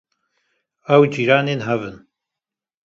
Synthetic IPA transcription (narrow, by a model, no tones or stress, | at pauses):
ɐwd͡ʒiːɾaːneːnɦɐvɨn